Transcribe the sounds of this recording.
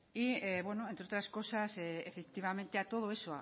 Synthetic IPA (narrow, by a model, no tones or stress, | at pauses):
ieβwe̞no̞ent̪ɾeo̞t̪ɾasko̞saseefek̚t̪iβ̞ame̞nt̪eat̪o̞ð̞oe̞soa̰